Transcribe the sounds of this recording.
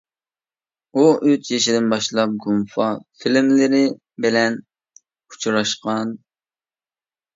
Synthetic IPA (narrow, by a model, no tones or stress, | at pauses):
uøt͡ʃ̪jeʃɪd̪ɪnbɑʃlˠɑp̚ɡumfɑfilmlɪɾɪ | bɪlɛnʰ | u̥t͡ʃʰɾɑʃqɑn